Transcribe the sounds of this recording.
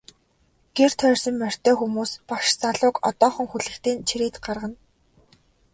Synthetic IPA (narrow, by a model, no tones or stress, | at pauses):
ɡ̥er̥t̪ʰœːrsɞ̆mːær̥ʲt̪ʰœːxumuːspaʃt͡saɮʊːkɔ̰t̪ɔːχɞ̆ŋxuɮɘ̆kt̪iːnt͡ɕʰiɾeːt̪ɢarʁə̆n